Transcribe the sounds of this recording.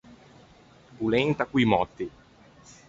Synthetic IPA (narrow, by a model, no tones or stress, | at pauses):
pulɛnt̪akwimɔt̪ːi